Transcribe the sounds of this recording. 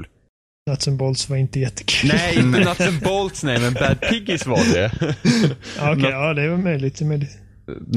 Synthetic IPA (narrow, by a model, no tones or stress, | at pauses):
l | nat̪sɛmbɔlt̪svaɾɪnt̪əjɛt̪ʰːə̥kʰʉnːjnat̪əmbɔlt̪snɛjmɛ̃nbæd̪̚pʰɪɡɪsvadɛ | aːɔɑːd̪ɛvamœjlɪɡt̪ɛmœjlɪt̪